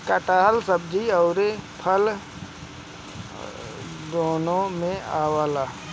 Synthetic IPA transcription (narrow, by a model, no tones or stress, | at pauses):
kəʈaːɦəlsəb̚d͡ʒiɔːɾepʰəl | d̪oːnõmẽaːwaːlaː